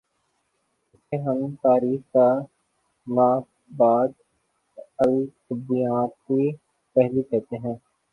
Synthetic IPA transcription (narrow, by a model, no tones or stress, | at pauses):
ɪseɦəmt̪aːɾiːxka | maːk | baːd̪ | əlsəbijaːt̪̚i | pɛɦlikɛɦt̪eɦɛ̃ː